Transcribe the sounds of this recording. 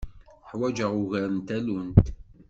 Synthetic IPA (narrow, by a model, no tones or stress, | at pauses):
ħwæd͡ʒəʁʊʝæɾənt̪ælunt̪